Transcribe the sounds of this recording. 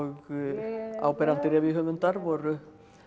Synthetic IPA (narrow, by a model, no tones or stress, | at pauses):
ɣ | a̰ːwpɛɾant̪ɪɾɛviɦœvʏnt̪aɾvɔɾʏ